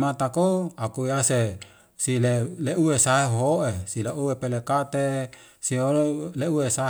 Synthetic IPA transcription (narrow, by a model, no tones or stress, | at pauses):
mat̪akoakuiase | sileleʔuesaɦeɦoɦoʔesileʔuwepelekat̪e | siolleuwesa